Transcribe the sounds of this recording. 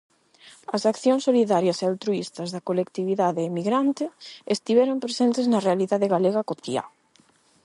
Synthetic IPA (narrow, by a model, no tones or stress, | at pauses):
ɐsakθjoŋsːoliðaɾjɐsealt̪ɾuist̪ɐzðɐkolekt̪iβiðaðeːmiɣɾant̪ɪest̪iβɛɾompɾesent̪eznɐrealiðaðeɣaleɣɐkot̪ia̰